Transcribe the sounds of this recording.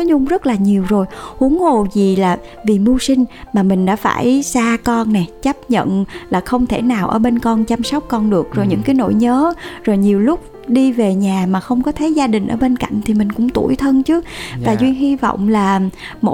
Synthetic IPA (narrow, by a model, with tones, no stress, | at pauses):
ɲʊ˧ŋ͡mzə˦˥t̚laː˨˩ɲi˨˩əwzo˨˩jhu˨˦əŋho˨˩zi˨˩laː˨˩ | vi˨˩mu˧sï˧ŋ̟maː˨˩mï˨˩ŋ̟ɗa̰ː˧˥fa̰ː˧˩jsaː˧kɔ˧nːɛ˨˩jt͡ɕə˦˥p̚ɲə̰˧˨nlaː˨˩xə˧wŋ͡mt̪ʰe˧˩naː˨˩wʔəː˧˩ɓe˧nkɔ˧nt͡ɕa˧msɔ˦˥wk͡p̚kɔ˧nɗɨ˨˩ək̚zo˨˩jɲɨ̰˧˥ŋkaː˨˦jno̰˧˨jɲəː˨˦zo˨˩jɲi˨˩əwlʊ˦˥k͡p̚ | ɗi˧ve˨˩ɲaː˨˩maː˨˩xə˧wŋ͡mkɔ˨˦t̪ʰə˨˦jzaː˧ɗï˨˩ŋ̟ʔəː˧˩ɓe˧nka̰˧˨jŋ̟t̪ʰi˨˩mï˨˩ŋ̟kʊ̰˧˥ŋ͡mt̪ṵ˧˩əjt̪ʰə˧nt͡ɕɨ˨˦əvaː˨˩zwi˧ənhi˧vɔ̰˧˨wŋ͡mlaː˨˩ | mo̰˧˨